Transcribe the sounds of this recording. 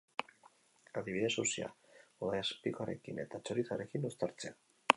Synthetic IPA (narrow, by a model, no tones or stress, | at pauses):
aðiβiðe̞susia̰oðajaspikoaɾe̞kine̞t̪at͡ʃoɾisaɾe̞kinust̪aɾt͡se̞a